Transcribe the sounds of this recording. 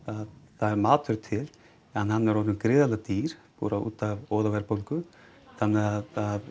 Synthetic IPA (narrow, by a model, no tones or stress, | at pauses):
aðθaðɛɾmaːt̪ʰʏɾt̪ʰɪl | anːhanːɛɾɔnʏnkɾɪːðalat̪iːɾ̥pṵːɾaṵːt̪avɔːðavɛɾpowlkʏ | θanɛað